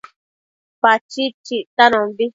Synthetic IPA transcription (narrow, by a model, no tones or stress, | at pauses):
pat͡ʃit͡ʃiʔt̪anõbi